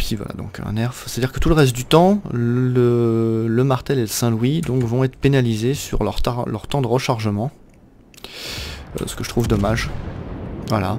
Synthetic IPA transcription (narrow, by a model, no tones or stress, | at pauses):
pivwa̰la̰d̪ɔ̰̃kʰɛ̰̃nɛʁfse̥t̪ad̪iʁkət̪uləʁɛst̪̚d̪yt̪ɑ̃lələmaʁt̪ɛleləsɛ̃lwid̪ɔ̃kvɔ̃ɛt̪χəpenalizesy̰ʁlœ̰ʁt̪ɑlœ̰ʁt̪ɑ̃d̪əʁəʃaʁʒəmɑ̃ | ø̰sə̥kəʒət̪χuvd̪ɔmaʒ | vwa̰la̰